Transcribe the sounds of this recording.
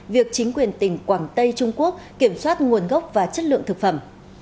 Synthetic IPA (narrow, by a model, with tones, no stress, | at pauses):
vi˨˩ək̚t͡ɕï˨˦ŋ̟kwi˨˩ənt̪ï˧˩ŋ̟kwaː˧˩ŋt̪ə˧jt͡ɕʊ˧ŋ͡mku˦˥ək̚ki˧˩əmswaː˦˥t̚ŋu˨˩ənɣə˦˥wk͡p̚vaː˨˩t͡ɕə˦˥t̚lɨ̰˧əŋt̪ɨ˨˩k̚fə˧˩m